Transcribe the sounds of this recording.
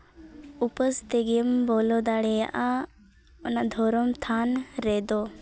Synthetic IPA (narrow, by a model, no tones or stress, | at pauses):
upəst̪eɡiəmbɔlɔd̪aɽeja̰ʔa | ɔnad̪ʱɔɾɔmt̪ʰanɾed̪o